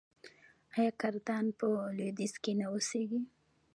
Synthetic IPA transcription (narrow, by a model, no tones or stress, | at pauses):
ɑjɑkaɾt̪ɑnpəlod̪izkenaoseɡi